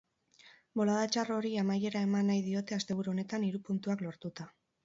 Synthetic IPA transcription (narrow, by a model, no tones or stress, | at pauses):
bo̞laðat͡ʃaro̞ɾiamaje̞ɾae̞manːajðio̞t̪e̞ast̪e̞β̞uɾuo̞ne̞t̪aniɾupunt̪uaklo̞ɾt̪ut̪a